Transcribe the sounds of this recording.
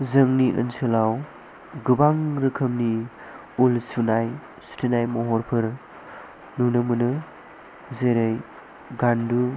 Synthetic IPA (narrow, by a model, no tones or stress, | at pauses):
zɯŋniʔə̰nsɯlaw | ɡɯbaŋɾɯkʰɐmni | ulsunaj | su̥tʰinajmɔɦɔɾpʰɯɾ | nunɯmunɯ | zeɾej | ɡandu